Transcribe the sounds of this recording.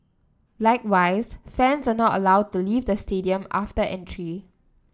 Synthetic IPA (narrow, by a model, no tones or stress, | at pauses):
laɪkwaɪsfɛ̃nsanɔtə̰laʊd̚tuliːvdəstediə̃ma̰ftəʔɛ̃ntʰɹi